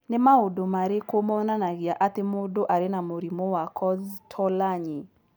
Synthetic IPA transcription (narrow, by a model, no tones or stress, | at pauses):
nɪmaodomaɾɪkomonanaɡɪaʔat̪ɪmodoʔaɾɪnamoɾimowakʰɔztʰɔlaɲɪ